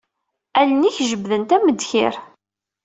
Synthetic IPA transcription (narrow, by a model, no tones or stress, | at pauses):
æləniçʒəbðənt̪æməd̪çɪ̰ɾ